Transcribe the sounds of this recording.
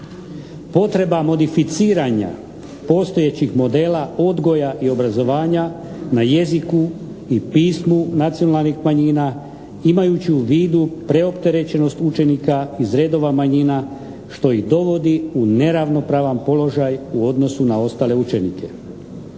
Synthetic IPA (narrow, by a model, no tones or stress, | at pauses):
po̞t̪ɾe̞bamo̞d̪ifit̪siːɾaɲa̰ | po̞st̪ojet͡ɕixmo̞d̪e̞ːlao̞d̪ɡo̞jaʔio̞bɾazo̞ʋaːɲa | naje̞ziku | ipiːsmunat̪sijo̞nalˠnixmaɲiːna | imajut͡ɕiuʋiːd̪upɾe̞o̞pt̪e̞ɾe̞t͡ɕe̞no̞st̪ut͡ʃe̞nikaizɾe̞ːd̪o̞ʋamaɲina | ʃt̪o̞iɣd̪o̞ʋo̞d̪iune̞ɾaʋno̞pɾaːʋampo̞lo̞ʒajuo̞d̪no̞sunao̞st̪aːle̞ut͡ʃe̞nḭkʰe̞